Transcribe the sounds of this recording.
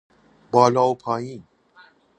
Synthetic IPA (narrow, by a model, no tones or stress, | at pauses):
bɔlɔwpʰãĩ